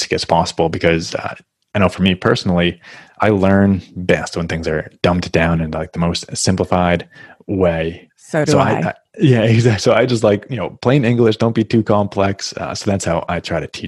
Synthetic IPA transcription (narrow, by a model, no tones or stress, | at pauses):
sɡ̥ɛ̰tspʰɑsəbl̩ˠbɨkʰʌzʌ̰ | aɪñoʊfə˞mipʰɜ̰˞sn̩l̩ˠiʔaɪlɜ̃˞nbɛst̚wə̃nθɪ̃ŋzə˞d̥ʌ̃mptd̥ãʊ̃nɨ̃nlaɪk̚ðəmoʊstsɪ̃mpləfaɪd̚weɪ | sʊsoʊaɪa | jæɪɡzæk̚tsoʊaɪd͡ʒʌs̬tˡlaɪkjɨnoʊpʰl̥eɪɪ̃nɪ̃ŋɡlɨʃd̥õʊ̃nb̥itʰʉkʰɑ̃mpʰl̥ɛksʌ̰soʊðætshaʊʔa̰ɪtʰɹ̥aɪɾɨtʰi